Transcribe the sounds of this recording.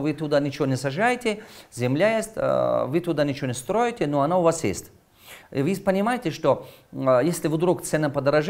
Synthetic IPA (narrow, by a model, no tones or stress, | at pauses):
vɨt̪ʊd̪anʲɪt͡ʃɪvonʲɪsɐʐajɪtʲɪzʲɪmlʲajesʲt̪ʲvɨt̪ʊd̪anʲɪt͡ʃɪvonʲɪst̪ɾojɪtʲɪnoɐnaʊvasjḛsʲt̪ʲ | ivɨpənʲɪmajɪtʲɪʂt̪o | jesʲlʲɪvd̪ɾukt̪sɛnəpɐd̪əɾɐʐ